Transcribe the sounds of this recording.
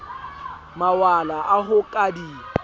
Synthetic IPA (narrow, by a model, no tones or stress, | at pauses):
mawalaʔaɦʊkʼadi